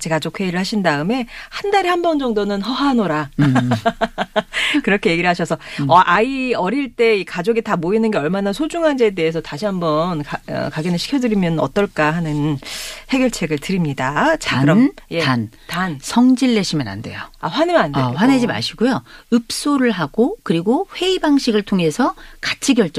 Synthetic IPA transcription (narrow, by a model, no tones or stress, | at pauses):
t͡ɕeɡad͡ʑok̚ʰwe̞iɾɯɭhaɕʰindaɯme̞handaɾihambʌnd͡ʑʌŋdonɯnɦʌɦanoɾa | kɯɾʌkʰe̞je̞ɡiɾɯɭhaɕʰʌsʰʌʌʔaiʌɾiɭt͈e̞ikad͡ʑoɡitamoinɯnɡe̞ʌɭmanasʰod͡ʑuŋɦand͡ʑede̞ɦes̬ʰʌtaɕʰiambʌnkaʌ̰kaɡinɯɭɕʰi̥kʰjʌdɯɾimjʌnʌ̰t͈ʌɭk͈ahanɯnhe̞ɡjʌɭt͡ɕʰe̞ɡɯɭtɯɾimɲidat͡ɕakɯɾʌmjean | tansʰʌŋd͡ʑiɭːeɕʰimʌna̰nde̞joaɸwanemnandeowaned͡ʑima̰ɕʰiɡojoɯp̚s͈oɾɯɭɦaɡ̥okɯɾiɡoɸwe̞ibaŋɕʰiɡɯɭtʰoŋe̞sʰʌkḁt͡ɕʰiɡjʌɭt͡ɕ͈